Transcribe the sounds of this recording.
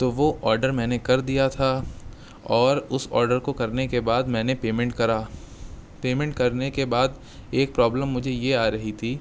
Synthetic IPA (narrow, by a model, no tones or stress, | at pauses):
t̪oːʋoʔɔːɾɖəɾmɛ̃ːnekɐɾd̪ijat̪ʰa | ɔːɾʊsɔ̰ːɾɖəɾkokɐɾnekebaːd̪mɛ̃ːnepeːmɛ̃ɳʈkɐɾaː | peːmɛ̃ɳʈ̚kɐɾnekebaːd̪ | eːk̚pɾɔːbləmːʊd͡ʒʱejeaːɾɐɦit̪ʰiː